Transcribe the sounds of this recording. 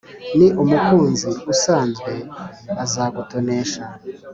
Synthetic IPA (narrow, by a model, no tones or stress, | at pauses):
niʔumukuːnziusaːnzɡwe̞azaɡuto̞neːʃa